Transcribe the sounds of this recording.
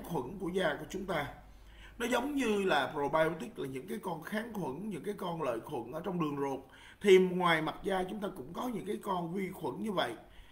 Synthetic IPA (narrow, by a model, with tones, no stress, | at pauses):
xʰwə˧˩nku˧˩əzaː˧ku˧˩ət͡ɕʊ˨˦ŋ͡mt̪aː˧ | nɔ˨˦zə˨˦wŋ͡mɲɨ˧laː˨˩pɾo˨˩ɓaː˧jo˧t̪i˦˥k̚laː˨˩ɲɨ̰˧˥ŋkaː˨˦jkɔ˧nxaː˨˦ŋk̪ʰwə̰˧˩˨nɲɨ̰˧˥ŋkaː˨˦jkɔ˧nlə̰ː˧˨jxwə̰˧˩˨nʔəː˧˩t͡ɕɔ˧wŋ͡mɗɨ˨˩əŋzo˨˩k͡p̚ | t̪ʰi˨˩m̚˨˩ŋwaː˨˩jma˨˩t̚zaː˧t͡ɕʊ˨˦ŋ͡mt̪aː˧kʊ̰˧˥ŋ͡mkɔ˨˦ɲɨ̰˧˥ŋkaː˨˦jkɔ˧nvi˧xwə̰˧˩nɲɨ˧və̰˧˨j